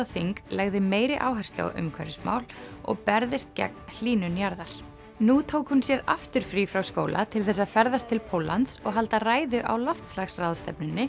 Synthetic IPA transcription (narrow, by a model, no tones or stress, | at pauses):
θiŋklɛɣðɪmeːjɾɪʔaːwɦɛ̥st̪lo̰ʔʏ̰mkʰɛɾʏsma̰ːwlɔ̰ɣpɛɾðɪst̪̚cɛ̰k̚nl̥iːnʏnjaɾðaɾ̥ | nut̪ʰoːwkhʏnsjɛɾaft̪ʏɾ̥fɾifɾawskoːwlʔa̰t̪ʰɪlθɛsːaðfɛɾðast̪ʰːɪlpʰoːwla̰nt̪sɔɣɦalt̪araːjðʏʔa̰wlɔft̪slaxsrawðst̪ɛpnɪnːɪ